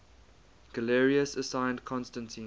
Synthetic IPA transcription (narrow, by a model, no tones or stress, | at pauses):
ɡ̥əlɛɹiəsəsãɪ̃ndkʰɔ̃nstə̃ntʰĩː